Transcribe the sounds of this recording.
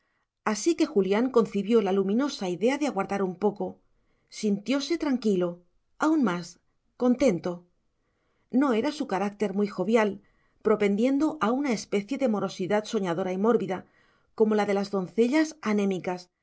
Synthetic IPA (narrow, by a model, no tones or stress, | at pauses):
asike̞xuljaŋko̞n̟θiβjo̞lalumĩno̞saiðe̞aðeaɣwaɾðaɾumpo̞ko̞ | sint̪jo̞se̞t̪ɾaŋkilo̞ | aunmas | ko̞nt̪e̞nt̪o̞ | no̞e̞ɾasukaɾak̚t̪e̞ɾmwijxo̞βjal | pɾo̞pe̞nd̪je̞nd̪o̞ʔaunae̞spe̞θje̞ðemo̞ɾo̞siðat̪so̞ɲaðo̞ɾaimo̞ɾβiða | ko̞mo̞laðe̞lazðo̞nθe̞ʎasanẽ̞mikas